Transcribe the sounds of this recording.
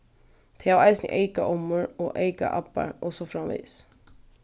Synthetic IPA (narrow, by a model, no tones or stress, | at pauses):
t̪ʰɛaʋaɪsnɪ̰ʔeɪkaʔɔmːʊɹɔʔeɪka̰ʔapːa̰ɹɔsɔfɾamʋḭːs